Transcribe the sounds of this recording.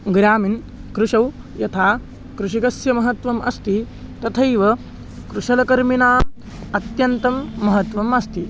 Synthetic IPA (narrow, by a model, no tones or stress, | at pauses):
ɡɾaːmin | kɾuʂɐw | jɐt̪ʰaː | kɾuʃikɐsjɐmɐɦɐt̪ʋɐmɐ̰st̪i | t̪ɐt̪ʰɐjʋɐ | kɾuʃɐlɐkɐɾminaː | ɐt̪jɐnt̪ɐmːɐɦɐt̪ʋɐmɐst̪i